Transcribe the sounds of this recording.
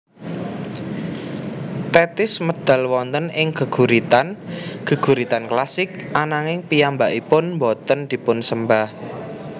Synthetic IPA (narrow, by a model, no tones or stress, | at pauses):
t̪ɛt̪ɪsməd̪̥a̤lwɔnt̪ənɪŋɡ̥ə̤ɡ̥uɾit̪anɡ̥ə̤ɡ̥ṳɾit̪anklasɪk̚ʔanaŋɪŋpijambaʔipʊnmbɔt̪ənd̪̥i̤pʊnsəmbah